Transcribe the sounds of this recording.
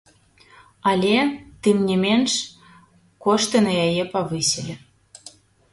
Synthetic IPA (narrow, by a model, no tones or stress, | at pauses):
ɑlʲet̪emnʲemʲenʃ | koʃt̪ənɑjɑjepɑvɨselʲĕ